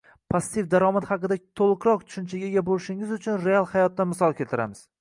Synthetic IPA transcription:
pʰast̪ifd̪aɾɒmat̪hɑqɨd̪at̪ʰolˠɨqɾɒq̚t̪ʰʊ̥ʃʊnt͡ʃʰaɡʲeɡʲabolɪʃɪŋɪzʊt͡ʃʰʊnɾe̞alˠhajɒt̪̚ːanmɪsɒlˠkʲe̞lt̪ʰɪɾa̰mɪz̥

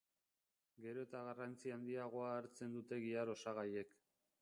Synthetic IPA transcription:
ɡe̞ɾo̞et̪aɣarant͡siand̪iaɣ̞o̞aːɾt͡se̞nd̪ut̪e̞ɣiaɾo̞saɣ̞aje̞k

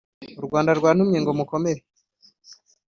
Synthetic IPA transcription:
uɾɡwaːndaɾɡwaːn̥umɲeŋɡomuko̞me̞ɾe

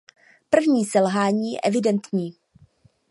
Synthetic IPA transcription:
pr̩vɲiːsɛlɦaːɲiːjɛ̰ʔɛvɪdɛnt̪ɲiː

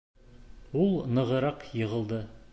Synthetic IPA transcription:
ulˠnɤ̆ʁə̆ɾɑqjɤ̆ʁə̆lˠd̪ə

